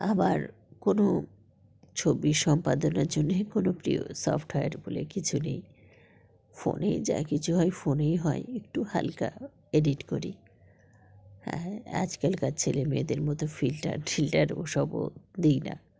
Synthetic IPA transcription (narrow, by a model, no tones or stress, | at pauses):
abaɾ | kono | t͡ɕʰobiʃɔmpad̪onaɾd͡ʑonːekonopɾio̰sɔ̰fʈɦɔjaɾbolḛkit͡ɕʰunḛj | fo̰nejd͡ʑa̰kit͡ɕʰuɦɔefonejɦɔeek̚ʈuha̰lka | eɖiʈkoɾi | hɛ̰a̰d͡ʑkalkat͡ɕʰelemied̪eɾmɔt̪ofilʈa̰ɾfilʈaɾoʃɔbo̰d̪ejna̰